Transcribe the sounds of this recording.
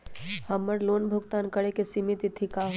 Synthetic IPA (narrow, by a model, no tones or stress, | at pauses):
həmːəɾloːnbʱʊɡt̪aːnkəɽekesimit̪it̪ʰikaɦ